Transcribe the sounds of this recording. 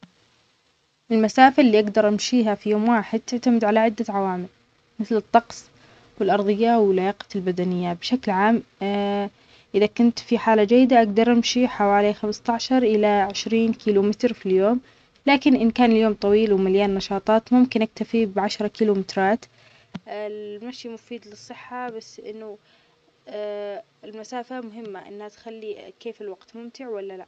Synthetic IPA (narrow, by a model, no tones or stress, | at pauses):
ʔɪlmasaːfɪlːiːʔaɡd̪ɑɾˤʔamʃiːɦafijoːmwaːħɪd̪̚t̪ɪʕt̪amɪd̪ʕalaʕɪd̪ːaʕawaːmɪl | mɪθlɨt̪ˤːɑqsˤ | wɪlʔɑɾˤðˤɨjːawɪlːajaːqɑ̥lbad̪anɪjːabʃaklʕaːm | ʔɪðakʊnt̪fiħaːlad͡ʒajːɪd̪aʔaɡd̪ɑɾˤʔamʃiħawaːlixamst̪aʕʃɑɾˤʔɪlaʕɪʃɾiːnkiːlumɪt̪ɾfiljoːm | laːkɪnʔɪnkaːnɪljoːmt̪ˤɑwiːlwɪmaljaːnːɑʃɑːt̪ˤɑːt̪mʊmkɪnʔak̚t̪afibʕaʃɾˤɑkiːlumɪt̪ɾˤɑːt̪ | lmaʃjimʊfiːd̪lɨsˤːɨħːabasːʔɪ̰nːʊ | ɪlmasaːfamʊɦɪmːaʔɪ̰nːhat̪xalːikeːfɪlwaɡ̥t̪mʊmt̪ɪʕwalːalaʔ